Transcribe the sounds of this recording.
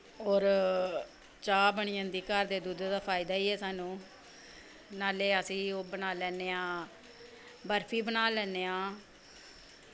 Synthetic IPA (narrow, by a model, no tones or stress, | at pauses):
oːɾ | t͡ʃaːbəɳijə̃ːnd̪iːkəɾd̪eːd̪uːd̪d̪aːpʰaːɪd̪aːiːɦɛːsaːnũː | naːleːəsĩːoːbənaːlɛːneːãː | bəɾpʰiːbənaːlɛːneːãː